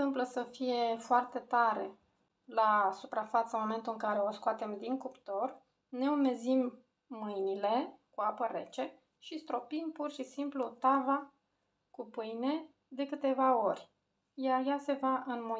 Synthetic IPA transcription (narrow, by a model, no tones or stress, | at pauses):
t̪ɨmpləsəfije̞foart̪e̞t̪aɾe̞ | lasupɾafat̪səmo̞me̞nt̪uɨŋkaɾe̞o̞skoat̪e̞md̪iŋkupt̪o̞r | ne̞ume̞zimː | ɨjnile̞kuapəɾe̞̰t͡ʃe̞ | ʃist̪ɾo̞pimpurʃisimplut̪ava | kupɨjne̞ | d̪e̞kɨt̪e̞vao̞rʲ | jajase̞vaʔɨnmo